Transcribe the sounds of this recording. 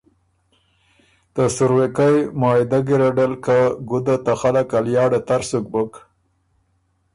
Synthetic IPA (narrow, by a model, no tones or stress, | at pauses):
t̪əsʊɾwekajmɑːɪd̪aɡɪɾaɖalkaɡʊd̪at̪axalakaljɑːɖat̪aɾsuk̚bək